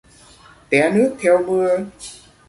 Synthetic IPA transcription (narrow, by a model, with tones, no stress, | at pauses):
t̪ɛ˨˩˦nɨ˦˥ək̚t̪ʰɛ˧wmɨ˧ə